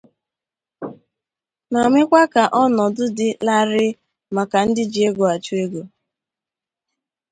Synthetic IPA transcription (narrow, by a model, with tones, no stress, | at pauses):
na˨ŋʷe˦kʷa˦ka˨ʔɔ˦nɔ˨dʊ˦dɪ˦la˦ɾɪ˦ | ma˨ka˨n̩˦dɪ˦d͡ʒi˨e˦ɡo˨a˨t͡ʃu˦e˦ɡo˨